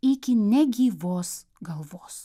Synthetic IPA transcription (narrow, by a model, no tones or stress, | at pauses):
ɪkʲɪnʲɛɡʲiːʋoːs | ɡɐlˠʋoːs